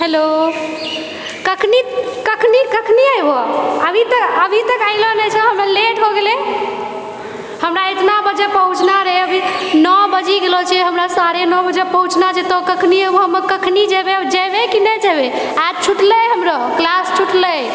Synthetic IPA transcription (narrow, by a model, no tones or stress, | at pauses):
ɦelo | kəkʰnikəkʰnikəkʰniajboəbʱit̪əkəbʱit̪əkaɪlɔnɛt͡ʃʰɛɦəmɾaleʈɦoɡele | həmɾaet̪nabəd͡ʒepəɦut͡ʃʰnaɾəɦɛəbʱinɔbəd͡ʒiɡelɔt͡ʃʰɛɦəmɾasaɾenɔbəd͡ʒepəɦut͡ʃʰnat͡ʃʰet̪ɔkəkʰniɦɛoɦəməkəkʰnid͡ʒebed͡ʒebekinɛd͡ʒebe | at͡ʃʰuʈləjɦəmɾəklast͡ʃʰuʈləj